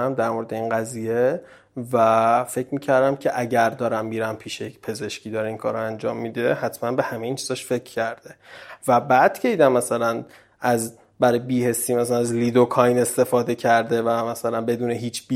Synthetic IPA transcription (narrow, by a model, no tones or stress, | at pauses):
æmd̪æɾmo̞ɾed̪eiːnɢæzije̞ | væfe̞cʰmiːcʰæɾd̪æmcʰe̞ʔæɟæɾd̪ɒːɾæmːiːɾæmpʰiːʃejecpʰe̞ze̞ʃciːd̪ɒːɾeiːnkʰɒːɾoænd͡ʒɒːmːid̪e̞hæt̪ʰmænbe̞hæme̞jiːnt͡ʃʰiz̥ɒʃfe̞cʰcːæɾd̪̥e̞væbæd̪̥cʰeiːd̪æmːæsælæn | æz | bæɾɒːjebiːhe̞siːmæsælænæzliːd̪okʰɒjne̞st̪e̞fɒːd̪e̞cʰæɾd̪e̞væmæsælænbe̞d̪uːneɦiːt͡ʃʰbi